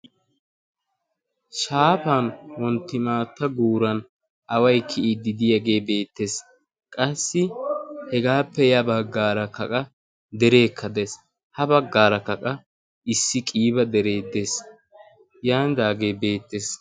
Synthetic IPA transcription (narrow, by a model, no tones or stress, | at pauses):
ʃaːpanwɔnt̪ːɪmaːt̪ːɐɡuːɾɐn | ʔɐwɐjkʰɪʔɪd̪ɪd̪ɪjɐɡe̞ːbe̞ːt̪ːe̞ːs | kʼɐsːɪhɛɡaːpːɛjɐbɐɡːaːɾɐkɐkʼɐ | d̪ɛɾe̞ːkʰːɐd̪es | hɐbɐɡːaːɾɐkɐkʼɐ | ɪsːɪkʼiːbɐd̪ɛɾe̞ːd̪eːs | jaːnd̪aːɡe̞ːbe̞ːt̪ːe̞ːs